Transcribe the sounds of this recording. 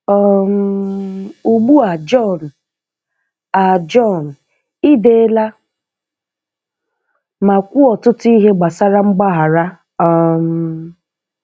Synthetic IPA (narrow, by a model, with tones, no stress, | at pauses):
ɔ˦m | u˨ɡ͡bu˦a˨d͡ʒɔ˦˨n̩˨ | a˨d͡ʒɔ˦˨n̩˨ | i˦de˦la˦ | ma˨kʷu˦ɔ˨tʊ˦tʊ˦i˦ɦe˦ɡ͡ba˨sa˦ɾa˦ŋ͡m̩˦ɡ͡ba˦ɦa˨ɾa˦ | ɔ˨m̩˦